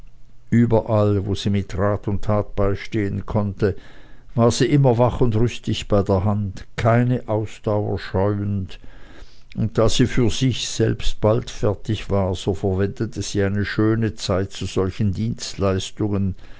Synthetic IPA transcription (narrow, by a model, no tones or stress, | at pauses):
ʔyːbɐʔalvoːz̥iːmɪtʁaːtʊntʰaːt̚b̥aɪʃteːənkʰɔntəvaːɐz̥iːʔɪmɐvaχʊndʁʏstɪçb̥aɪdeːɐɦantkʰaɪnəʔaʊsd̥aʊɐ̰ʃɔʏənd | ʊnt̚d̥aːz̥iːfyːɐz̥ɪçz̥ɛ̰lpst̚b̥altfɛɐtɪçv̥aːʁz̥oːfɛɐvɛndətəz̥iːaɪnəʃøːnət͡saɪt̚t͡suz̥ɔlçn̩diːnstlaɪstʊŋən